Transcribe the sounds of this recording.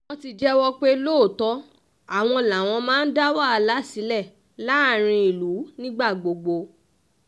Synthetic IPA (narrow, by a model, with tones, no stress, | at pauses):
w̃ɔ̃˧ti˧d͡ʒɛ˦wɔ˦k͡pe˦lo˦˨tɔ˦ | a˦˨w̃ɔ̃˧la˨w̃ɔ̃˧mãː˦n̩˦da˦wa˦a˧la˨˦si˨˦lɛ˦˨ | la˨˦˨ɾ̃ĩ˧i˨lu˨˦nĩ˦ɡ͡ba˦˨ɡ͡bo˨ɡ͡bo˧